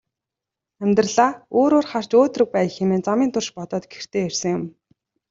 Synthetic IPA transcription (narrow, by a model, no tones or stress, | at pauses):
æmʲt̪rɮaːoːɾoːrχar̥t͡ɕoːt̪rɵ̆k̚pæːjxemeːnt͡samiːnt̪ʰʊrʃpɔt̪ɔːt̪ɡer̥t̪ʰeːersə̆ŋjʊm